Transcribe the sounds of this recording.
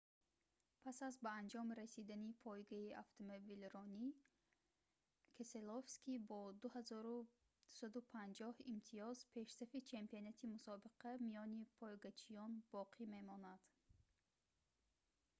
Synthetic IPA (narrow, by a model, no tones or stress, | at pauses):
pʰasazbaand͡ʒɔmɾasid̪anipʰɔjɡaiʔaft̪ʰomobilɾɔni | kʰeselofskibɔd̪uhazɔɾu | d̪̥u̥sad̪upʰand͡ʒɔhimt̪ʰiɔzpʰe̞ʃsafit͡ʃʰe̞mpionat̪ʰimusɔbiqʰamijɔnipʰɔjɡat͡ʃʰijɔnbɔqʰime̞mɔnad̪̥